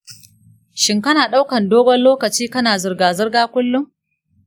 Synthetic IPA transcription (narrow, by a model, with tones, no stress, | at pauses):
ʃɪ˨ŋkɐ˦naː˨ɗa˦wkɐ˨ndoː˦ɡʷɔ˦nloː˦kɐ˨t͡ʃiː˦kɐ˦naː˨zɪ˨rɡaː˨zɪ˦rɡaː˦kʷʊ˦lːʊ˦ŋ